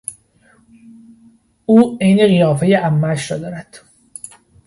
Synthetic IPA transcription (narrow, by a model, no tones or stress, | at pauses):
uːejneɣijɒːfejeʔæmːæʃɾɒːd̪ɒːɾæd̪̥